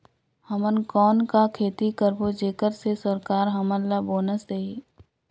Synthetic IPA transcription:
həmənkɔːnkakʰeːt̪ikəɾbod͡ʒeːkəɾsesəɾkaːɾɦɐmənlːaboːnəsd̪eːiː

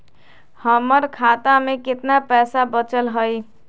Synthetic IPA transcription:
həməɾkʰat̪amẽkɪt̪napɛːsabət͡ʃəlɦəj

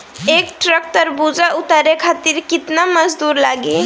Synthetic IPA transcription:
ek̚ʈɾək̚t̪əɾbud͡ʒaʔut̪əɾekʰat̪iɾkit̪naməd͡ʒd̪uɾlaɡe

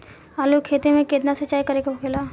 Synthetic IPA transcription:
aːlukʰeːt̪imẽkeːd̪nasɐt͡ʃːaːikɐɾekaʊkʰeːlaː

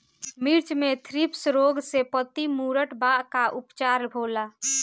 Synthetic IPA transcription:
miɾt͡ʃmet̪ʰɾipsɾoɡsepət̪imuɾəʈbaʔkaʔupt͡ʃaɾbʱola

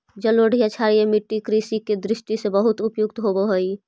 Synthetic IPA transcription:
d͡ʒəloɖʱijat͡ʃʰaɾijemiʈːikɾisiked̪ɾɪsʈisebəɦʊt̪ʊpjʊk̚t̪ɦoboɦoi

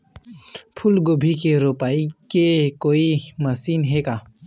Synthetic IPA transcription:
pʰʊlɡobʱikeɾopaːikekoːimɐsiːnɦekaː

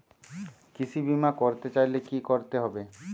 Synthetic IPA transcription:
kit͡ɕʰibimakoɾt̪et͡ɕajlekikoɾt̪eɦɔbe

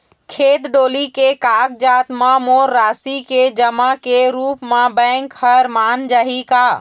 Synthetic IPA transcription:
kʰet̪ɖolikekak̚d͡ʒat̪mamoɾːasiked͡ʒəmakeɾupmabə̃ŋkhəɾmand͡ʒaɦika

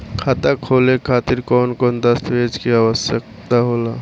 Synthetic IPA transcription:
kʰaːt̪akʰoːlekʰaːt̪ɪɾkɔːnkɔːnd̪əst̪ʋeːd͡ʒkiaːʋəsjək | t̪aɦoːla

